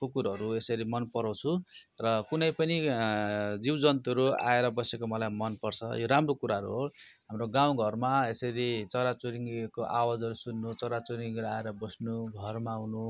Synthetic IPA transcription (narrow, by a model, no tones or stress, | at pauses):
kokuɾɦʌɾuesʌɾimʌnpʌɾaw̃t͡sʰurʌkunʌjpʌni | d͡ziwd͡zʌnt̪uʌɾua̰eɾʌbʌsekomʌlajmʌnpʌrt͡sʰʌ̰joɾamrokuɾaɦʌɾuɦoɦamroɡãw̃ɡʱʌrmaesʌɾit͡sʌɾat͡suɾiŋkoʔawad͡zʌɾusunːut͡sʌɾat͡suɾiŋɡɾaeɾʌbʌsnuɡʱʌrmawnu